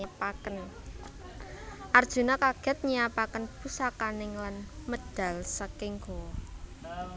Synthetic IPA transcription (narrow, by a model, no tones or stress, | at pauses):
apakən | ʔard̥ʒ̥ṳnɔkaɡ̥ɛ̤t̪̚ɲiapakənpusakanɪŋlanməd̥a̤lsəkɪŋɡɔwɔ